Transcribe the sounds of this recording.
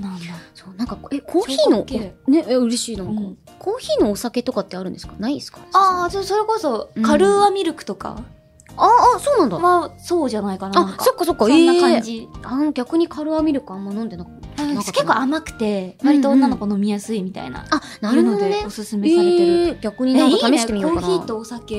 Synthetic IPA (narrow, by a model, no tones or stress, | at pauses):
nasoːnãŋkakekʰoːçiːno̞ne̞ʔɯ̟ɾe̞ɕiːnãŋko | kʰo̞ːçiːno̞ːsake̞t̪o̞kat̪ːe̞aɾɯ̟nd̪eskanaisɨ̥kḁasoːso̞ɾe̞ko̞so̞kaɾɯ̟βamʲiɾɯ̟kɯ̟̥t̪o̞ka̰ | aːso̞ːnãnd̪amaso̞ːʑanaikanaaaŋkaso̞kːaso̞kːaenːaãd͡ʑianoɡʲakɯ̟ɲ̟ikʰaɾɯ̟βamʲiɾɯ̟kɯ̟ãmːanõnd̪e̞naknakekːoamakɯ̟̥t̪e̞βaɾʲit̪o̞onːano̞kono̞mʲijasɨimʲit̪a̰ḭna̰a | naɾɯod̪eneosɨsɨmeeaeɡ̥ʲakɯ̟ɲ̟inãŋk̪ːameit̪emijooːçiːt̪oːsake